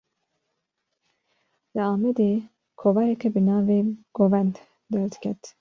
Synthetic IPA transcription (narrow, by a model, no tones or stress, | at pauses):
lɨɑːmɛd̪eː | kʰovɑjɛkʰɛbɨnɑːveːɡ̥oːvɛnt̪ | d̪ɛld̪kʲʰɛt̪